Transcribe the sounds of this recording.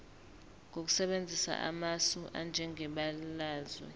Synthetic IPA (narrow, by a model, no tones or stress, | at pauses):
ŋok̬u̥sɛɓend͡zʱisa̰ʔa̰masuʔa̰nd͡ʒʱɛŋʱɛɓalaːzwɛ̰